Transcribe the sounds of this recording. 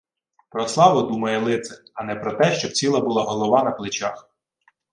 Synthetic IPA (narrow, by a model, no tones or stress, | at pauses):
pɾɔslˠɑʋɔd̪umɐjɛlˠɪt̪sɛɐnɛpɾɔt̪ɛʃt͡ʃɔb̚t͡sʲilˠɐbulˠɑɦɔlˠɔʋɑnɐplˠɪt͡ʃax